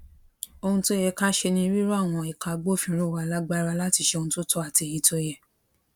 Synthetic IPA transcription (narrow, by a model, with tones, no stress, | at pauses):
o˧hũ˧to˦jɛ˧ka˦ʃe˧nĩ˧i˧ɾi˦ɾo˦a˦˨w̃ɔ̃˧i˨ka˧ɡ͡bo˦˨fĩ˧˦ɾo˦˨wa˨˧la˦ɡ͡ba˦˧ɾa˧la˦ti˧ʃe˧o˧nũ˧to˦tɔ˦a˦˨ti˨˧e˨ji˨˧˦to˧jɛ˧